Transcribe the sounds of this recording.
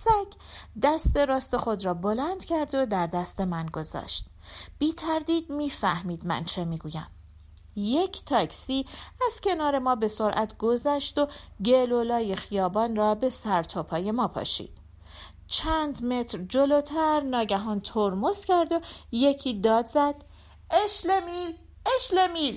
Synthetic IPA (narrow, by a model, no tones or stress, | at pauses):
sæcʰd̪æst̪e̞ɾɒːst̪e̞xo̞d̪ɾɒːbo̞lænd̪̥cʰæɾd̪o̞d̪æɾd̪æst̪e̞mænɡo̞zɒ̰ːʃt̪ | b̥iːt̪ʰæɾd̪iːd̪miːfæhmiːd̪mæ̰nt͡ʃʰe̞miːɡuːjæ̰m | je̞cʰt̪ʰɒːcʰsiːæz̥cʲʰe̞nɒːɾe̞mɒːbe̞so̞ɾʔæt̪ʰɡ̥o̞zæʃt̪o̞ | ɟelolɒːje̞xijɒːbɒːnrɒːbe̞sæɾt̪ʰɒːpʰɒːje̞mɒːpʰɒ̰ːʃḭːd̪̥ | t͡ʃʰænd̪me̞t̪ʰɾd͡ʒo̞loːt̪ʰæɾnɒːɟæɦɒːnt̪ʰoɾmoscʰæɾd̪o̞je̞cʰiːd̪ɒːd̪zæd̪̥ | eʃlemil | eʃlemiːl